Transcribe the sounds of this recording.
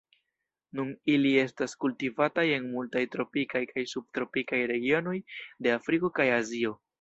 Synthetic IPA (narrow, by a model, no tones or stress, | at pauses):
nunilie̞staskultivataje̞nmultajtɾo̞pikajkajsub̚tɾo̞pikajɾe̞ɡio̞no̞jde̞afɾiko̞kajazio̞